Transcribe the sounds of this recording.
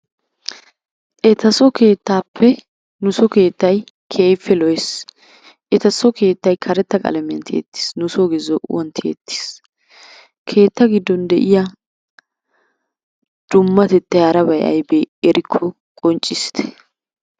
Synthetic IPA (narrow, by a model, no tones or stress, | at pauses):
ʔɛt̪ɐsɔke̞ːt̪ːaːpːɛ | nʊsɔke̞ːt̪ːɐj | kʰeːjfːɛlɔjs | ʔɛt̪ɐsɔke̞ːt̪ːɐjkʰɐɾɛt̪ːɐkʼɐ̰lɛmɪjɐnt̪ʰɪḛt̪ːɪ̥snʊsoɡɪzɔwɔnt̪ɪḛt̪ːi̥s | kʰe̞ːt̪ːɐɡɪd̪ːɔnd̪ɛʔɪja | d̪̥ʊmːɐt̪ɛt̪ːɛjɐɾɐbɐjʔɐ̰jbeːɛɾɪkʰːɔ | kʼɔnt͡ʃʼːɪsɪ̥t̪ɛ̥